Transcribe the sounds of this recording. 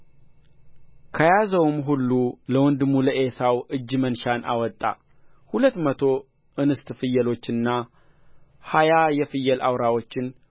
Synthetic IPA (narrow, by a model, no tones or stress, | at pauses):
kʰəjazəwmɦulːuləwɔnd̪ɨmːuləʔesawɨd͡ʒːmənʃanʔa̰wɔt̪ʼːa̰ | hulət̪ːmət̪ʰo̞ | ʔɨnɨst̪fɨjːəlo̞t͡ʃːɨnːa | hajajɛfɨjːəlʔawɾawo̞t͡ʃːɪn